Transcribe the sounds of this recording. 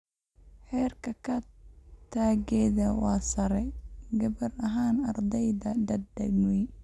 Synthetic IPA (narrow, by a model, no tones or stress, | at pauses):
ħɛːrkʰɐkʰɐt̪ʰaːɡɛːðɐwɑːsɐɾɛɡɐβɐɾɐɦaːnɐrd̪ɛjðɐdɐd̪dɐ̰ɡnwi